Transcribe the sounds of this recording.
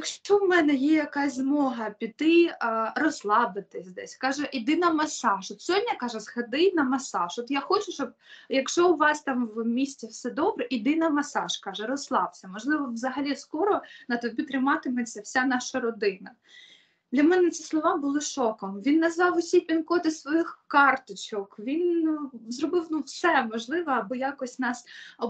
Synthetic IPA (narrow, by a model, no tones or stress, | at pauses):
jjɐkʃt͡ʃɔmɛnɛjɛjɐkɑzʲzmɔɦɐpʲit̪ɪrɔslˠɑbɪt̪ɪsʲd̪ɛsʲkɑʒɛʔid̪ɪnɐmɐsɑʃɔt̪sʲɔdʲːɐkɑʒɛzhɐd̪ɪjnɐmɐsɑʃɔt̪jaxɔt͡ʃʊt͡ʃt͡ʃɔb̚ | jɐkʃt͡ʃɔʊʋɑsʲt̪ɑmwmʲisʲtʲiwsɛd̪ɔbɾɛʔid̪ɪnɐmɐsɑʃkɑʒɛɾɔslˠɑwsʲɐmɔʒlˠɪʋɔwzɐɦɐlʲiskɔɾɔnɐt̪ɔbʲit̪ɾɪmɑt̪ɪmet͡sʲːɐwsʲanɑʃɐɾɔd̪ɪnɐ | d̪lʲɐmɛnɛt̪sʲislˠɔʋɑbʊlˠɪʃɔkɔmʋʲinːɐzʋɑwʊsʲijpʲinkɔt̪ɪsʋɔjɪxkɑrt̪ɪt͡ʃɔkʋʲinzrɔbɪwnufsɛmɔʒlˠɪʋɐɐbʊjakɔsʲnɑsɔ